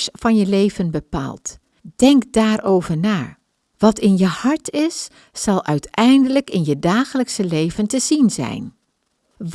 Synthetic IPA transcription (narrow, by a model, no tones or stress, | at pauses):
sfɑnjəlejvənbəpa̰ːlˠt | d̥ɛŋkdaːɹowvəɹnaː | ʋɑtɪnjəhɑɹtɪsː | ɑlˠʔœɥtɛjndələkɪnjədaːχələksəlejvəntəzinzɛ̰jn | ʋ